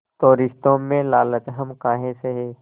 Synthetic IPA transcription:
t̪oːɾɪst̪õmẽlaːlət͡ʃ̪ɦəmkaːɦẽseɦɛː

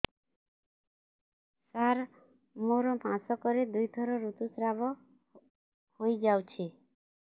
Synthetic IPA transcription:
saɾ | moɾɔmʱãsɔkɔɾed̪ujt̪ʰɔɾɔɾut̪usɾabɔ | hojd͡ʒawt͡ʃʰi

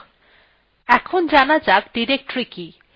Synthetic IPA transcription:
ɛkʰond͡ʑanad͡ʑaɡɖiɾek̚ʈoɾiki

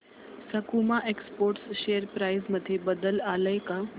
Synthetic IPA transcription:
səkumaʔekspoːɾʈsʃejəɾpɾajzməd̪ʱːjebəd̪əlaləjka

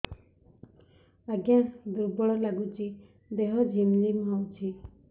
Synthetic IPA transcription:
aɡjãd̪uɾbɔɽɔlaɡut͡ʃi | d̪eɦɔd͡ʒʱimlimɦɔwt͡ʃʰi

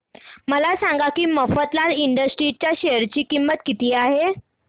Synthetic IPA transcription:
məlasãŋɡakiːməfət̪laɾiɳɖəsʈɾit͡ɕjaɕeəɾt͡ɕiːkimːət̪kit̪iːaɦe

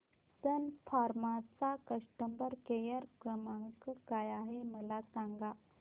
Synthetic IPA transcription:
t̪ənfʰaɾmat͡sakəʂʈəmbəɾkejəɾkəmaŋkəkajaɦeməlasãŋɡa

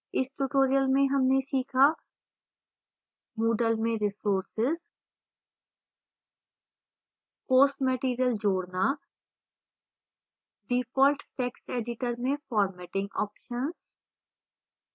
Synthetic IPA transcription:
ɪsʈuːʈoːɾijəlmẽɦɐmnesiːkʰa | moːɖəlmẽɾɪsoːɾsɪz | koːɾsmɛːʈiːɾijəld͡ʒoːɽna | ɖiːpɔːlʈʈeːksʈeːɖɪʈəɾmẽfʰɔːɾmɛːʈɪ̃ŋɡɔːpʃənz

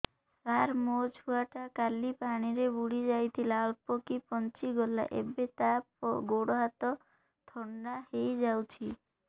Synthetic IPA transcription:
t̪aɾmod͡ʒʱuaʈakalipaɽ̃iɾebuɽid͡ʒajt̪ʰilaɔɭpokipɔnt͡ʃiɡɔla̰ʔḛbet̪apɔɡoɽɔɦat̪ɔ | t̪ʰɔɳɖahejd͡ʒawt͡ʃʰi

